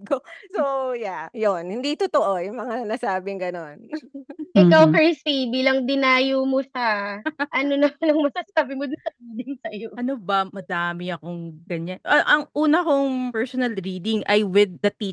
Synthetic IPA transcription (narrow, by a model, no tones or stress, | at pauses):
kosojajonhɪnd̪it̪ʊt̪oʔojʊŋmɐŋanɐsaːbɪŋɡɐnonʔɪkawkɛsibiːlɐŋd̪ɪnaːjomosɐʔɐnonɐnɐŋmɐsasaːbɪmod̪ʊnsɐɾiːd̪ɪŋsɐjoʔɐnobɐmɐd̪aːmɪɐkoŋɡɐɲanʔɐʔɐŋʔuːnɐhoŋpɛɹsonɐlɾiːd̪ɪŋʔɐjwɪd̪̚ːɐt̪i